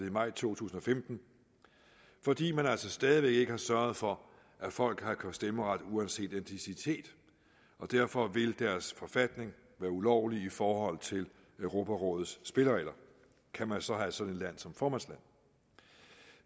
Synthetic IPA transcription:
imɑ̈ɪ̰t͡sʰo̝̰ːt͡sʰṵːsn̩ɒ̽femd̥n̩ | fɒ̽d̥ḭːmænæl̰sɒsd̥ɛːð̞ˠiʋeɡ̥e̝ɡ̥əhɑ̈sɶɐð̞̩ˠfɒ̽ | ʔæfɒ̽l̰ɡ̥hɑ̈kʰæsd̥eməʁɑd̥uænse̝̰ːd̥ent͡sʰisit͡sʰe̝̰ːd̥ | ɒ̽d̥æɐfɒ̽ʋe̝ld̥æɐsfɒ̽fæd̥ne̝ŋ | ʋæːɐulɒʊliifɒːhɒ̽l̰t͡sʰe̝l | øʊʁo̝ːpʰæʁɔ̽ːð̩ˠsːb̥e̝ləʁɛ̰ɪlɐ | kʰæmænsɒ̽ɦæsɒ̽dne̝d̥læn̰sɒ̽mfɒːmænslæn̰

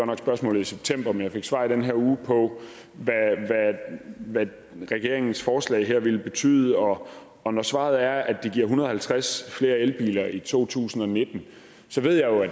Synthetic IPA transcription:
ɒnɑɡ̥sb̥ɶɐsmɔ̰̽ːlð̩ˠiseb̥̚t͡sʰem̰b̥ɐmenjaɪfe̝ɡ̥sʋɑ̈ːid̥enɦeɐuːpʰɒ̽ | ʋæʋæʋæ | ʁɛɡ̥e̝ɐe̝ŋn̩sfɒːslɛ̰ɪɦeɐ̰ʋe̝lb̥e̝t͡sʰy̰ːðˠəɒ̽ | ɒ̽nɒsʋɑ̈ð̞̩ˠæɐæd̥iɡ̥iɐ̰ɦunɐð̩ˠhælt͡sʰʁasfle̝ːɐelb̥ḭːlɐit͡sʰo̝̰ːt͡sʰṵːsn̩ɒ̽ne̝d̥n̩ | sɒ̽ʋe̝ð̰ˠjɑ̈ɪjo̝æ

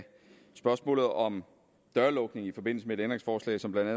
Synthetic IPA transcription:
sb̥ɶɐsmɔ̰ːlð̩ˠɒ̽m | d̥ɶɐlɔ̽ɡ̥ne̝ŋifɒ̽b̥e̝n̰̩səmeɾend̥ʁeŋsfɒːslɛ̰ɪsɒ̽mb̥lænd̥æ

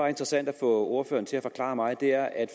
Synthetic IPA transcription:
ɑ̈e̝nd̥ʁəsæn̰d̥æfɔ̰̽ːo̝ɐfø̰ːɐnt͡sʰe̝læfɒ̽kʰlɑ̰̈ːmɑ̈ɪd̥e̝æɐʔæd̥

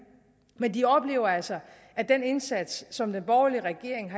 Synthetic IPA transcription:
mend̥iɒ̽b̥le̝̰ːʊɐælsɐ | ʔæd̥ene̝nsæd̥sːɒ̽md̥enb̥ɒʊliəʁɛɡ̥e̝ɐ̰e̝ŋɦɑ

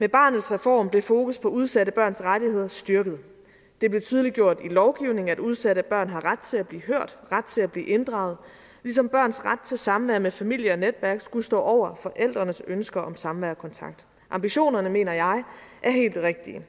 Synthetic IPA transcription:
meb̥ɑ̰̈ːnð̩ˠsʁɛfɒ̰ːmb̥le̝fo̝ːkʰuspʰɒ̽uð̞ˠsæɾəb̥ɶɐ̰nsʁaɾihe̝ð̰ˠɐsd̥yɐɡ̥ð̞̩ˠ | d̥e̝b̥le̝t͡sʰið̞ˠliɡ̥jo̝ɐ̰d̥ilɒʊɡ̥iʊne̝ŋ̩æd̥uð̞ˠsæɾəæb̥ɶɐ̰nɦɑ̈ʁad̥̚t͡sʰe̝læb̥liːɦøɐ̰d̥ʁad̥̚t͡sʰe̝læb̥lḭːʔe̝nd̥ʁɑ̰̈ːʊð̞̩ˠ | lis̬ɒ̽mb̥ɶɐ̰nsʁad̥̚t͡sʰe̝lsɑ̈mʋæɐmefæmil̰jəɒ̽ned̥ʋæɐɡ̥sɡ̥ulsd̥ɔ̰ːʔɒʊ̰ɐfɒ̽ʔel̰d̥ʁɐnəsønsɡ̥ɐʔɒ̽msɑ̈mʋæːɐkʰɒ̽nt͡sʰɑ̈ɡ̥̚d̥ | ʔɑ̈mb̥iɕo̝̰ːnɐnəme̝̰ːnɐjɑ̈ɪʔæɐɦe̝̰ːld̥ʁeɡ̥̚d̥iə

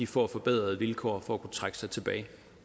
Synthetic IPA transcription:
ifɒ̰æfɒ̽b̥eð̞̰ˠʁɐðˠʋilkʰɒ̰ːfɒ̽ækʰut͡sʰʁaɡ̥əsɑ̈ɪt͡sʰe̝b̥ɛːɪ

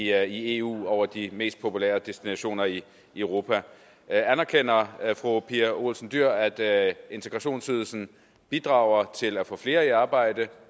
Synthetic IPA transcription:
ie̝ːṵːɒʊɐd̥ime̝̰ːsd̥̚pʰo̝pʰulḛːɐd̥esd̥inæɕo̝̰ːnɐi | øʊʁo̝ːpʰæ | ænæɐkʰen̰ɐfʁopʰiæo̝lsn̩d̥yɐ̰æd̥e̝nt͡sʰeɡ̥ʁɑ̈ɕo̝̰ːnsyðˠl̩sn̩ | b̥id̥ʁɑ̈ʊɐt͡sʰe̝læfɔ̽fle̝ːɐiɑ̈ːb̥ɑ̈ɪ̰d̥ə

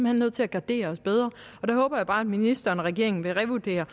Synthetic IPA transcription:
mhænnøð̰ˠt͡sʰe̝æɡ̥ɑ̈d̥e̝̰ːɐɒ̽sb̥eð̞ˠʁɐɒ̽d̥æhɔ̽ːb̥ɐjäb̥ɑ̈ːæd̥minisd̥ɐːnɒʁɛɡ̥e̝ɐe̝ŋn̩ʋe̝ʁɛʋud̥e̝̰ːɐ

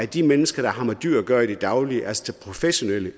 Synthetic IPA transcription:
æd̥imenəsɡ̥ɐɾ̥ɑ̈hɑ̈mɐd̥y̰ɐ̰ɡ̥ɶɐid̥id̥ɑ̈ʊliəʔælst͡sʰelpʰʁo̝feɕo̝nel̰ə

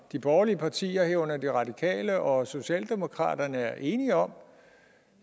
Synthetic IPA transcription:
d̥ib̥ɒːɐliəpʰɑ̈t͡sʰḭːɐheɐɔnɐd̥iʁɑ̈d̥ikʰɛ̰ːləʔɒ̽so̝ɕiɛ̰ːld̥e̝mo̝kʰʁɑ̰̈ːd̥ɐnəæɐʔe̝ːniɒ̽m

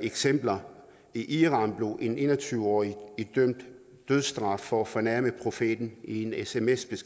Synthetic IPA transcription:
eɡ̥sem̰b̥lɐ | iʔiʁɑ̈ːnb̥le̝ʔe̝ne̝̰ːnɐt͡sʰyːʊəɒ̰ːiid̥øm̰d̥ː | øð̞ˠsd̥ʁɑ̈ffɒ̽æfɒ̽næɐməpʰʁo̝fe̝̰d̥n̩ie̝nesemesb̥esɡ

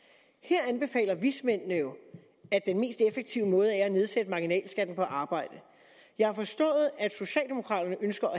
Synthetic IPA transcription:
heɐ̰ænb̥e̝fɛ̰ːlɐʋismen̰nəjo̝ | æd̥enme̝̰ːsd̥efeɡ̥̚t͡sʰiʊ̰əmɔ̽ːð̞̩ˠæɐæne̝ð̞ˠsed̥əmɑ̈ɡ̥inɛ̰ːlsɡ̥æd̥n̩pʰɒ̽ʔɑ̈ːb̥ɑ̈ɪ̰d̥ə | jɑ̈ɪhɐfɒ̽sd̥ɔ̰̽ːð̞̩ˠæd̥so̝ɕɛ̰ːld̥e̝mo̝kʰʁɑ̰̈ːd̥ɐnəʔønsɡ̥ɐʔæ

